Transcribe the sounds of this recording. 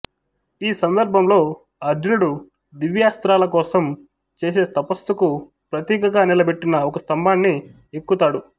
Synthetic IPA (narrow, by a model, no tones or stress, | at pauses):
iːsɐnd̪ɐɾbʱɐmlo̞ː | ɐɾd͡ʒɐnuɽu | d̪iʋjaːst̪ɾaːlɐkɔːsɐm | t͡ʃe̞ːs̬e̞ːt̪ɐpɐst̪uku | pɾɐt̪iːkɐɡaːnilɐbe̞ʈːinɐɔkɐst̪ɐmbaːnːi | ekːut̪aːɽu